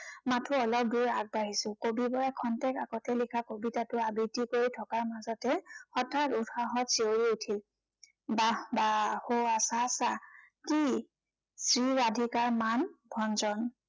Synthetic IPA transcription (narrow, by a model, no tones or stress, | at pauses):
matʰʊɔlɔp̚duɹaɡ̚baɦisʊ̃kobibɔɹɛkʰɔntɛkaɡɔtɛlikʰakobitatʊabitikoɹitʰɔkaɹmazɔtɛxɔtʰatutʰaɦɔtseoɹiutʰil | babahoasasa | ki | sɹiɹadʱikaɹmanbʱɔnzɔn